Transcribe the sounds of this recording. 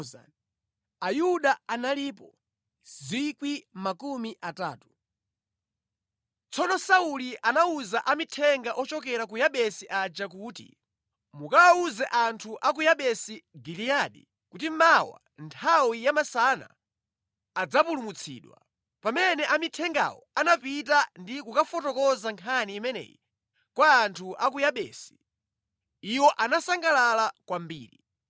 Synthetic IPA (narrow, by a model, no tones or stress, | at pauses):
a̰ | ajuɗaanaliːpɔ | zikwimakumiʔataːtu | t͡sʰɔnɔsauliʔanauzaʔamitʰɛŋɡaʔɔt͡ʃɔk̬ɛɾak̬ujaɓɛsiʔad͡ʒakuːtḭ | mukawauzɛʔantʰuʔak̬ujaɓɛsiɡilijaɗḭ | kut̬imawa̰ | ntʰawijamasana̰ː | d͡zapulumut͡sʰḭːɗwa̰ | pamɛnɛʔamitʰɛŋɡa̰wɔ̰anapitandikukafɔtɔkɔzaŋkʰaniːmɛnɛ̰jḭ | kwaːntʰuʔak̬ujaɓɛ̰ːsi̥ | iwɔʔanasaŋɡalalakwambḭːɾḭ